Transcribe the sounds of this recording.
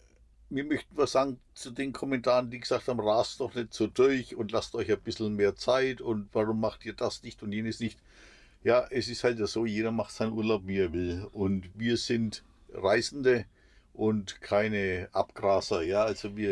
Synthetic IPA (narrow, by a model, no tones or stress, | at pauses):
miːɐmœçtn̩vaɐz̥aːɡŋ̩ | t͡sudeːnkʰɔmɛntʰaːʁəndiːɡəz̥aːk̚thaːbm̩nʁaːstd̥ɔχnɛtz̥oːdʊɐçʊntlastʔɔʏçaɪnb̥ɪsl̩meːɐt͡saɪtʊntv̥aʁʊmːaχtiːɐdasnɪçtʊntjeːnəsnɪçt | jaːʔɛsɪsthaltjaːz̥oːjeːɾɐmaχtz̥aɪnʔuːɐlaʊpviːeːɐvɪlʔʊntviːɐzɪnt | ʁaɪzn̩də | ʔʊntkʰaɪnəʔa̰pɡ̥ʁaːzɐjaːʔalzoviːɐ